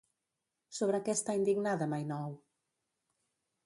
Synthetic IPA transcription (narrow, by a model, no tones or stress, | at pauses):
soβɾakɛst̪aind̪iɣnaðɐmajnɔw